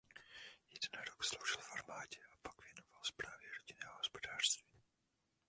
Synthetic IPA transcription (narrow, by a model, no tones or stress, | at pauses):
jɛdɛnaɾokslowʒɪlfaɾmaːcɛʔapaɡvjɛnovalspɾaːvjɛɾoɟinɛːɦoɦospodaːr̥st̪viː